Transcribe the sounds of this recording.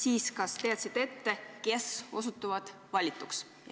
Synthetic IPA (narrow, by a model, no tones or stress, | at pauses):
siːskɑst̪e̞ɑt̪sid̪̥e̞t̪ːe̞ke̞so̞sut̪ːˑuvɑd̪̥ | vɑlʲit̪ˑːuks